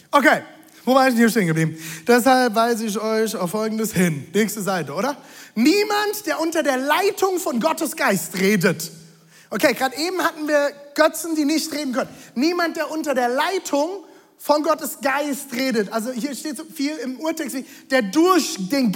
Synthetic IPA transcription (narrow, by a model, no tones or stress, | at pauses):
ʔokʰeː | vobaɪɪsnhiɐʃteːnŋɡəbliːbm̩d̥ɛs̬halpvaɪzəɪç̬ɔʏçaʊfːɔlɡŋ̩dəshɪnnɛːçstəzaɪtəʔoːɾɐniːmantd̥eːɐʔʊntɐdeːɐlaɪtʰʊŋfɔnɡɔtəsɡ̥aɪstʁeːdət | ʔokʰeːɡʁaːdəʔeːbm̩hatn̩viːɐɡ̥œt͡sn̩diːnɪçtʁeːdn̩kʰœnənnːiːmant̚d̥eːɐʔʊntɐdeːɐlaɪtʰʊŋ | fɔnɡɔtəsɡ̥aɪstʁeːdətʔalzohiːɐʃteːtz̥ofiːlɪmʔuːɐtʰɛksv̥eːd̥eːɐdʊɐçd̥eːn